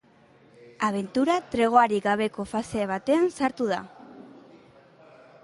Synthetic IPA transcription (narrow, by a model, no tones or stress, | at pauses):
aβe̞nt̪uɾat̪ɾe̞ɣ̞o̞aɾiɡaβ̞e̞ko̞fase̞β̞at̪e̞ansaɾt̪uð̞a̰